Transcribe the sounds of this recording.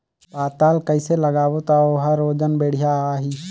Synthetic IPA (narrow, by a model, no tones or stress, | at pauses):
paːt̪aːlkəɪseləɡaːʋot̪aoɦaɾoːd͡ʒənbeːɽ̤ɪjaaːɦiː